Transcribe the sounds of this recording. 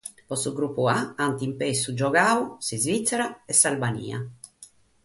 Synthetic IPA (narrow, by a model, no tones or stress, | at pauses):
pɔsuɡɾupːuaant̪impesud͡ʒɔɡaːusizvit̪sːɛɾaɛsalbanḭːa̰